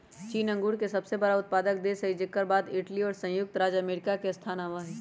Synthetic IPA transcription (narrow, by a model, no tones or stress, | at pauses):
t͡ʃiːnɐ̃ŋɡuːɽkesɐbsebɐɾaʊt̪̚paːd̪ək̚d̪esɐɦid͡ʒɪkːəɾbaːd̪ɪʈliɔːɾsɐ̃jʊk̚t̪ɾaːd͡ʒɐmeːɾɪkakeɐst̪ʰaːnaːʋaɦɛː